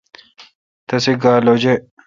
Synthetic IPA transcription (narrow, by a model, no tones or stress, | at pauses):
t̪ɐsiɡaːlod͡ʑe